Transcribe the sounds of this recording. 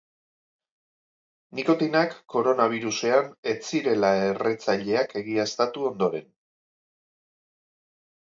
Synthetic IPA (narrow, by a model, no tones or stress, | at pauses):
niko̞t̪inakːo̞ɾo̞naβ̞iɾuse̞ane̞t͡siɾe̞lae̞re̞t͡saʎe̞ake̞ɣiaest̪at̪uo̞nd̪o̞ɾe̞n